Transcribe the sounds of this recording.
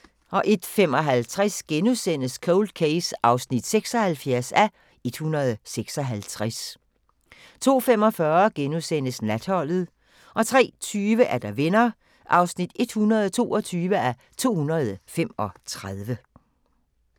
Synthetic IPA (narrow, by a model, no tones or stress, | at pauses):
ʔɒ̽ʔe̝d̥fem̰ɒ̽ɦælt͡sʰʁasɡ̥enusen̰əskʰoʊld̥̚kʰeɪsɑ̈ʊsnid̥seɡ̥sɒ̽hælfjæɐsæ | e̝d̥hunɐð̞ˠseɡ̥sɒ̽ɦælt͡sʰʁas | t͡sʰo̝̰ːfem̰ɒ̽fɶːɐɡ̥enusen̰əsnæd̥hɒ̽l̰ð̩ˠ | ʔɒ̽t͡sʰʁɛ̰ːt͡sʰyːʋəʔæɐd̥ɑ̈ʋe̝nɐ | ʔɑ̈ʊsnid̥e̝d̥hunɐð̞ˠt͡sʰo̝̰ːɒt͡sʰyːʋəæ | t͡sʰo̝̰ːhunɐð̞ˠfemɒ̽t͡sʰʁaðˠʋə